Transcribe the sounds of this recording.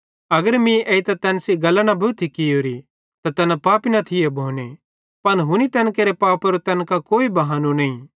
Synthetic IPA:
ɐɡəɾmĩʔeːit̪ɐt̪ɛːnsiɡɐlːañabʱut̪ʰikɪjoːɾi | t̪at̪ɛːnapaːpinɐt̪ʰɪjebʱoːne | pɐnɦʊnit̪ɛːnkeːɾepaːpɐɾot̪ɛːnkakoːibɐɦaːnunɐĩ

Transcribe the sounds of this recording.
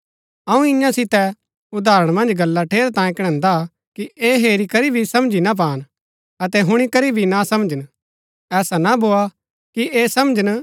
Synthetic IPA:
ɐũɪjãsɪt̪ɛ | ʊd̪aːɾəɽ̃mɐ̃nd͡ʒɡɐlːaʈʰeːɾt̪ãːjẽkɐɽ̃ɛ̃ːnd̪a | kieːɦeːɾikɐɾibʱisɐ̃md͡ʒinap̬aːn | ɐt̪ɛɦʊɽ̃ikɐɾibʱinasɐ̃md͡ʒən | ɛːsanabʱoːa | kieːsɐmd͡ʒən

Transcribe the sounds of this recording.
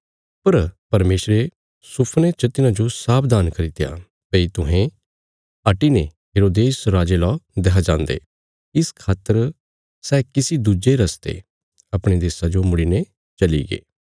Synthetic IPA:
pɐɾpɐɾmeːsɾe | sʊpʰnet͡ʃɐt̪ɪnãd͡ʒosaːpʰd̪aːnkɐɾit̪eja̰ | pɐit̪ʊɦẽ | ɐʈine | ɦɪɾoːd̪eːsɾaːd͡ʒelɔd̪ɛɦad͡ʒãːnd̪ḛː | ɪskʰaːt̪ːəɾ | sɛːkɪsid̪ud͡ʒeɾɐst̪ḛ | ɐpɽ̃ed̪eːsad͡ʒomʊɽine | t͡ʃɐlḭɡḛː

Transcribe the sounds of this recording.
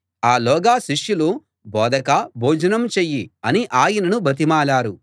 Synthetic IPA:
aːlɔːɡaːʃiʂjulu | bɔːd̪ɐkaboːd͡ʒɐnɐmt͡ʃeːjːiɐniʔaːjɐnɐnubʱɐt̪̬imaːɭaːɾu

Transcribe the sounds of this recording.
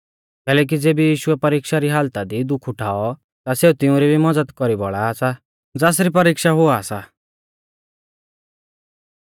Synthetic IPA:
kɛːlɛːk̬id͡zeːbijiːʃʊɛpɐɾiːkʃaɾiɦaːlt̪ad̪id̪ʊkʰʊʈʰaːɔ | t̪aseːut̪ɪũɾibʱimɐd͡zəd̪kɔɾibɔ̰ɭaːsa | d͡zaːs̬ɾipɐɾiːkʃaɦʊaːsa

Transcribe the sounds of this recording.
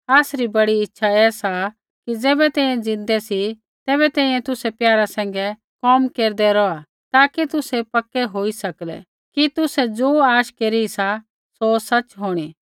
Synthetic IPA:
aːsɾibɐɽiɪtːʃʰaɛːsa | kid͡zɛːbɛt̪ɛ̃ːĩjɛ̃d͡zɪ̃nd̪ɛsi | t̪ɛːβɛt̪ɛ̃ːĩːjɛ̃t̪ʊsɛpjaːɾasɛ̃ːŋ̆ɡɛ | kɔmkeːɾd̪ɛɾɔa | t̪aːkit̪ʊsɛpɐkːɛɦoːisɐklɛ̰ | kit̪ʊsɛd͡zoːaːʃkeːɾisa | sosɐt͡ʃɦoːɽ̃iː

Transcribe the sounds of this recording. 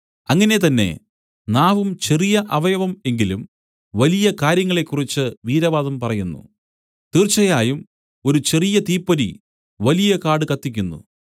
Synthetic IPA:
ɐŋːɐne̞t̪ɐnːe̞̰ | naːʋumt͡ɕe̞rijɐʔɐʋɐjɐʋɐme̞ŋɡilum | ʋɐlijɐkaːɾjɐŋːɐɭe̞kːurit͡ɕːɨʋiːɾɐʋaːðɐmpɐrɐjunːṵ | t̪iːrt͡ɕːɐjaːjum | o̞ɾut͡ɕe̞rijɐt̪iːpːɐɾḭ | ʋɐlijɐkaːɽɨkɐt̪ːikʲːunːṵ

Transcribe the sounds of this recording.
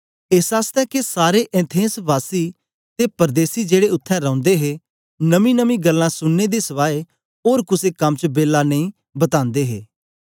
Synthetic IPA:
eːsaːst̪ɛːkesaːɾeʔɛ̃ːt̪ʰẽːsʋaːsiː | t̪eːpəɾd̪eːsid͡ʒeːɽeʊt̪ʰːɛ̃ɾə̃ːʊ̃nd̪eɦeː | nəmĩːnəmĩɡəlːãːsʊnːed̪esəʋaːe | oːɾkʊsekəmt͡ʃbeːlːaːnəĩ | bət̪ãːnd̪eːɦeː

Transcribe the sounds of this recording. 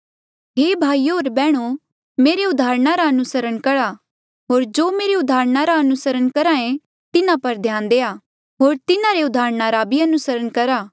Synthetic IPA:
ɦeːbʱaːiːɦoːɾbɛːɽ̃o | meːɾeʊd̪ʱaːɾɳaɾaɐnʊsəɾəɽ̃kɐɽa | ɦoːɾd͡ʒoːmeːɾeʊd̪aːɾnaɾaɐnʊsəɾəɽkɐɾãẽ | t̪ɪnãpɐɾd̪ʱjãːnd̪eːaː | ɦoːɾt̪ɪnãɾeʊd̪aːɾnaɾabʱiɐnʊsəɾəɽkɐɾaː

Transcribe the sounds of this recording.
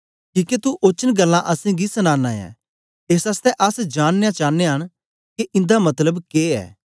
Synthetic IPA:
kĩːket̪uʔoːt͡ʃənɡəlːãʔɐsĩɡisənaːnaːjã̰ | esaːst̪ɛʔɐsd͡ʒaːnːejãt͡ʃaːnːeɦɐñ | keʔɪ̃nd̪amɐt̪ləbkeːɛ̰ː

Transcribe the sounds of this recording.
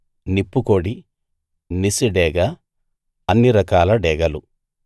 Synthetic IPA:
nipːukoɽi | nisiɖɛːɡɐ | ɐnːiɾɐkaːlɐɖɛːɡɐlu

